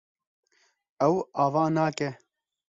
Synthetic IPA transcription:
ɛwaːvaːnaːkɛ

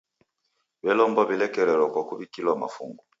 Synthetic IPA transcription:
bɛlɔmbɔbilɛkɛɾɛlɔkwakuβikilwama̰fuŋɡu

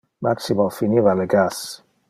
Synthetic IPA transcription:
maksimalfinivaleɡas

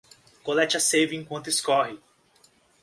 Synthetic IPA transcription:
kolɛt͡ʃɐsevɪẽkwɐ̃t̪ʊiskɔɦɪ

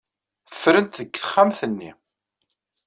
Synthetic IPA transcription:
θəfːɾənt̪ðəɡːθə̥χːamθənːḭ

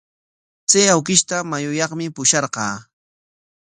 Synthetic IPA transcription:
t͡sajawkɪʃt̪amajʊjɑχmɪpʊʃɑɾqɑː

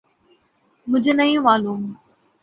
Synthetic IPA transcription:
mʊ̃d͡ʑʱnɐĩjũmaːluːm

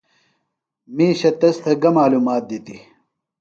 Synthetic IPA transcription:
miːɕɐt̪ɐst̪ʰɐɡɐmaːluːmaːt̪̚d̪it̪i

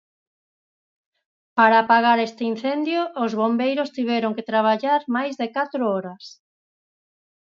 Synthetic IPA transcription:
paɾapaɣaɾest̪ein̟θɛnd̪joːzβombejɾʊst̪iβɛɾoŋket̪ɾaβ̞aʎaɾmajzðekat̪ɾʊɔɾas

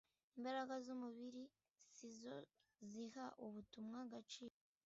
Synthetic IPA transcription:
imbaɾaɡazumuβiɾi | sizo | zihaʔuβutumŋaɡat͡ʃiːɾo

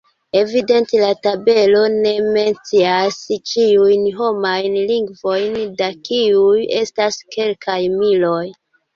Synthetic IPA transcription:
e̞vide̞ntelatabe̞lo̞ne̞me̞nt͡siast͡ʃiujnɦo̞majnliŋɡvo̞jndakiuje̞staske̞lkajmilo̞j

